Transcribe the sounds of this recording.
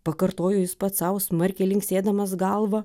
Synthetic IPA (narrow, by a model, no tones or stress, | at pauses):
pɐkɐɾt̪oːjɛːjɪspɐt̪sɑʊsmɐɾʲkʲeːlʲɪŋksʲeːd̪ɐmɐsɡɐlˠʋɐ